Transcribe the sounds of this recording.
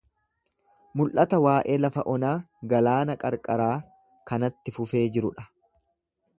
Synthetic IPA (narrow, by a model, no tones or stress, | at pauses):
mʊlʔɐt̪ɐwaːʔe̞ːlɐfɐʔɔnaː | ɡɐlaːnɐkʼɐɾkʼɐɾaː | kɐnɐt̪ːɪfʊfe̞ːd͡ʒɪɾʊᶑɐ̥